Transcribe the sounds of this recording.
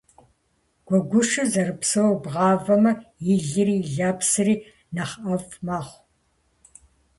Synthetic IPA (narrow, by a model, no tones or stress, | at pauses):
ɡ̥ʷɔɡʷʊʂɨzɐrɨpsɐwbʁɑːvɐmɐjɪɮɨriːɮaːpsɨriː | nɐχɐvmaːχʷ